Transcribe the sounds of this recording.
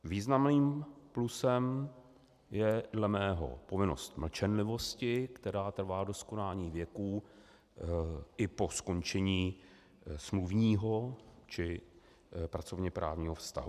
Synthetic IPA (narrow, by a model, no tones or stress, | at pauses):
viːznamniːmplusɛm | jɛdlɛmɛːɦo̞̰po̞vɪno̞̰st̪ml̩t͡ʃɛnlɪvo̞scɪkt̪ɛɾaːt̪r̩vaːdo̞skonaːɲiːvjɛkuː | ʔɪpo̞sko̞nt͡ʃɛɲiː | smluvɲiːɦo̞t͡ʃɪ | pɾat͡so̞vɲɛpɾa̰ːvɲiːɦo̞fst̪a̰ɦu